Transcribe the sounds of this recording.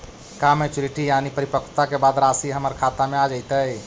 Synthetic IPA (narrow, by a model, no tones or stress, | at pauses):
kamet͡ʃuɾiʈijanipəɾipəkʰt̪akebad̪ɾasiɦəməɾkʰat̪amead͡ʒəjt̪əj